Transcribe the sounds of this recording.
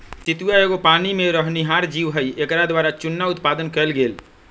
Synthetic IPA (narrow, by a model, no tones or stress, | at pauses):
t̪ɪt̪ujaeːɡopaːnimẽɾəɦniɦaːɾd͡ʒiːʋɦəiʔekɾad̪waːɾat͡ʃʊnːaʊt̪paːd̪ənkəlɡeːl